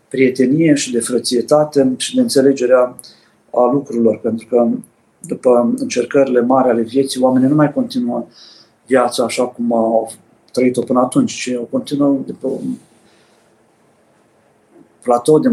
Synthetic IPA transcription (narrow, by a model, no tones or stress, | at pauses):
pɾije̞t̪e̞nije̞ʃid̪e̞fɾət̪sije̞t̪at̪e̞ʃid̪e̞ɨnt̪se̞le̞d͡ʒe̞ɾea | alukɾuɾilo̞rpe̞nt̪ɾukə | d̪upəɨnt͡ʃe̞rkəɾile̞maɾeale̞vje̞t̪sijoame̞ninumajko̞nt̪inuə | vjat̪saːʃakuma | t̪ɾəit̪o̞pɨnəat̪unt͡ʃʲt͡ʃioko̞nt̪inuəd̪upeun | plat̪o̞d̪e